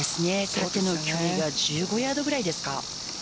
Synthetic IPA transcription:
esɨne̞sot̪e̞no̞kʲʰoːiɡad͡ʑɨːɡo̞jaːd̪o̞ɡɯ̟ɾaid̪e̞sɨ̥ka̰

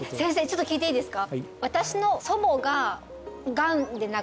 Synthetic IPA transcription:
sẽ̞ɰ̃s̬e̞ːt͡ɕot̪ːokʲiːt̪eiːd̪esɨ̥kaβat̪aɕino̞so̞mo̞ɡa | ɡãnd̪e̞na

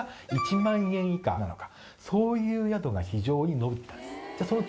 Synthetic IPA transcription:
it͡ɕimãɰ̃ẽ̞ɰ̃ika̰nano̞kḁ | so̞ːjɯ̟ːjad̪o̞ɡaçiʑo̞ːɲ̟ino̞bɯ̟t̪ːãd͡ʑasono

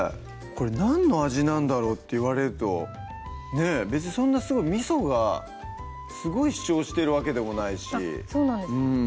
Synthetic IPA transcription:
ko̞ɾe̞nãnːo̞aʑinãnd̪aɾo̞ːt̪ːe̞ɯβaɾe̞ɾɯ̟t̪o̞̰ | ne̞be̞t͡sɨɲisõ̞nːasɨɡo̞imʲiso̞ɡa̰ | sɨɡo̞iɕi̥t͡ɕo̞ːɕi̥t̪e̞ɾɯ̟βake̞d̪e̞mo̞naiɕḭsoːnãnd̪ɯ̃ɴɴ

